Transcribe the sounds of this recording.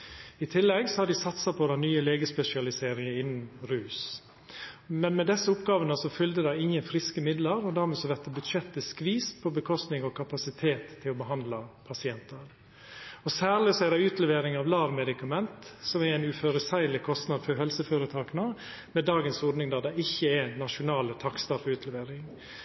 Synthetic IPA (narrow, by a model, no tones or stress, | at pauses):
ɪt̪ʰɪlːɛɡsɔhɑɾɖ̪ɪsɑt̪sɑpʰɔd̪ɑnyːəleːɡəspɛsɪɑlɪseːɾɪŋəɪnːnɾʉːs | mɛnmɛd̪ɛsːəʊpɡɑːʋənəsɔfʏld̪əd̪ɑɪɪŋːənfɾɪskəmɪd̪ləɾɔd̪æːɾmɛːsɔʋɛt̪əbʉʃɛt̪ːəskʋiːspʰɔbəkʰɔst̪nɪŋɔkʰɑpɑsɪt̪ʰeːt̪ʰːɪlɔbəɦɑnd̪lɑpʰɑsɪɛnt̪əɾ | ɔsæːɾɭɪsɔæd̪ɛɪʉːt̪lɛʋeːɾɪŋɑʋlɑːʋmɛd̪ɪkɑmɛnt̪sɔmɛɾæɪnʉføːɾəsæɪlɪkʰɔst̪nɑd̪fɔɾɦɛlsəføːɾət̪ʰɑːkənə | mɛd̪ɑːɡənsɔɖnɪŋd̪ɑd̪ɑɪçːəɛænɑʂʊnɑːlət̪ʰɑkst̪ɑfəʉːt̪lɛʋeːɾɪŋ